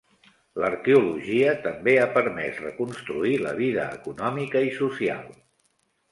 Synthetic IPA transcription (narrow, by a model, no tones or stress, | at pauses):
ləɾkeuluʒiət̪əmbeapəɾmɛ̰srəkunst̪ɾuilə̰β̞iðə̰ːkunɔmikəisusia̰lˠ